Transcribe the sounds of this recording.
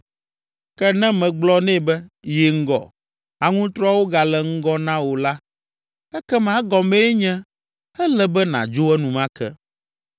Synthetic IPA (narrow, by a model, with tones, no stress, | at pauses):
kɛ˦nɛ̃˦mɛ̃˨ɡ͡blɔ˦nɛ̃˦˨bɛ˦ji˨ŋ̩˦ɡɔ̰˨ | a˨ŋũ˦t̪ɾɔ˦wo˦ɡa˨lɛ˨ŋ̩˦ɡɔ˦nã˦wo˨la˦ | ɛ˦kɛ˦mã˨˦ɡɔ˨mɛ̃˦ɲɛ̃˦ | ɛ˦lɛ˦bɛ˦nã̰˨d͡ʒo˦ɛ˦nũ˨mã˦kɛ̰˦